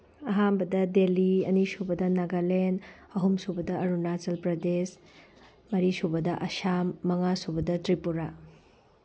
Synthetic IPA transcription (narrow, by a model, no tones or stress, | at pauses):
ɐɦambɐdɐdeliɐ̰nisubɐdɐnɐɡalen | ɐɦumsubɐdɐʔɐɾunat͡ʃɐlpɾɐdes | mɐɾisubɐdɐʔɐʃamːɐŋasubɐdɐtɾipuɾa